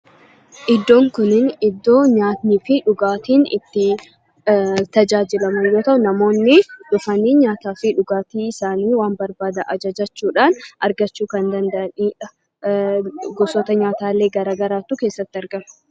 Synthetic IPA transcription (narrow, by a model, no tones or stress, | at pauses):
ʔɪd̪ːo̞ːŋkʊnɪnɪd̪ːo̞ːɲaːt̪niːfɪᶑʊɡaːt̪iːnɪ̰t̪ːɪ | t̪ɐd͡ʒaːd͡ʒɪlɐmɐnjo̞ːt̪ɐʔʊnɐmo̞ːnːɪᶑʊfɐnɪɲaːt̪aːfɪᶑʊɡaːt̪iːɪsaːniːwaːnbɐɾbaːd̪ɐʔɐd͡ʒɐd͡ʒɐt͡ʃːuːᶑaːnɐɾɡɐt͡ʃːuːkɐnd̪ɐnd̪ɐʔɐniːᶑɐ | ɡɔsɔt̪ɐɲaːt̪aːle̞ːɡɐɾaːɡɐɾaːt̪ːʊke̞ːsːɐt̪ːɪɐɾɡɐmɐ̥